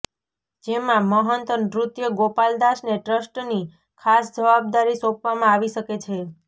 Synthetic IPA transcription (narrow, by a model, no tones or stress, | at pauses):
d͡ʒemãməɦənt̪ənd̪ɾut̪jəɡopald̪aʃneʈɾəsʈni | kʰasd͡ʒəʋab̚d̪aɾisɔpʋamãaʋiʃəket͡ʃʰe